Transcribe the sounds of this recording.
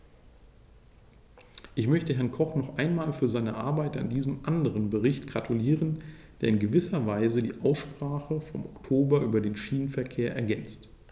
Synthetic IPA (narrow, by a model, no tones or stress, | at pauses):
ʔɪçmœçtəɦɛɐnkʰɔχnɔχʔaɪnmaːlfyːɐzaɪnəʔaɐbaɪta̰ndiːzəmʔandəʁənbəʁɪçtɡ̥ʁatʰuliːʁənd̥eːɐɪnɡəvɪsɐvaɪzədḭːʔaʊsʃpʁ̥aːχəfɔmʔɔktʰoːbɐʔyːbɐdeːnʃiːnənfɛɐkʰeːɐʔɛ̰ɐɡɛnt͡st